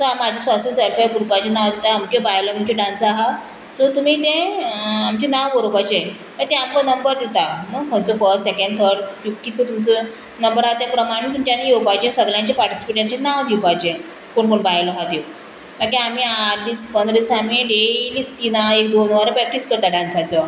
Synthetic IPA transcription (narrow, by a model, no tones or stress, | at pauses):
sɔɦamad͡ʑʱisasusəɾfajɡuɾupat͡ɕenaʋd̪et̪aamkebajləmut͡ɕeɖãnsaɦa | sot̪um̤iːt̪ẽamt͡ɕinaʋʋəɾopat͡ɕe | t̪ət̪ɛ̃amkənəmbəɾd̪et̪anəkənt͡səfəɾssekə̃ɳɖt̪ʰəɾɖfikiːt̪ikət̪umt͡sə | nəmbəɾat̪japɾəmaɽ̃et̪umt͡ɕanːijowpat͡ɕesəɡljãɲt͡ɕapaɾʈi̥si̥peʈ̬jaɲt͡ɕenaʋd̪ipat͡ɕẽ | koɳkoɳbajləɦad̪iw | makiamiaɾd̪ispənd̪ɾisamieɖelit͡st̪inaek̚d̪onʋaɾəpɾɛk̚ʈiskəɾt̪aɖãnsãt͡sə